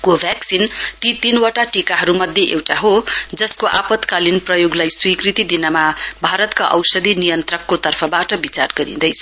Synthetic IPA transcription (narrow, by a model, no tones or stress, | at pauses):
kobʱjaksint̪it̪inwaʈaʈikaɦʌɾumʌd̪ʱjeʔewʈaɦod͡zʌskoʔapʌt̪kalinprʌjoɡlajswikrit̪id̪inʌmabʱaɾʌt̪kaʔʌ̰wsʌd̪ʱinijʌnt̪rʌkːot̪ʌrpʰʌbaʈʌbit͡sarɡʌɾḭ̃d̪ʌjt͡sʰʌ̥